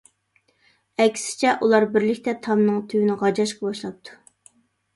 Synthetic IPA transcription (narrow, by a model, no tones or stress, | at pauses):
ɛkʲsɪ̥t͡ʃʰɛʔulˠɑɾbɪɾlɪkʲt̪ɛt̪ʰɑmnɨŋt̪ʰywɪnɪʁɑd͡ʒɑʃqɑbɑʃlˠɑp̚t̪ʰu̥